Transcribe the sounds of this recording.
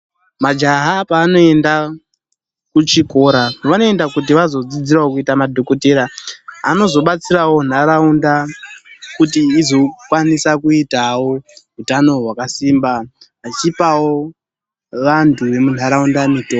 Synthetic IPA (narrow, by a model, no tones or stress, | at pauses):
mad͡ʒaɦapaːno̞e̞nda | kut͡ʃiko̞ːɾaʋano̞e̞ndakut̬iʋazo̞d͡zid͡ziraokuitamadʱo̞koteɾaːno̞zo̞ɓat͡sirawo̞n̤aɾaunda | kutiːzo̞kwanisakuitawo̞ɦutano̞ɦwakasimba | at͡ʃipawo | ʋantʰuʋe̞mun̤aɾaundamito